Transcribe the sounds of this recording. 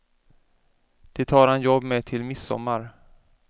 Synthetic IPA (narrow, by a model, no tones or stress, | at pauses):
d̪̥ɛt̪ʰɑːɾhanjɔbːmɛt̪ʰɪlmɪsːɔ̰mːaɾ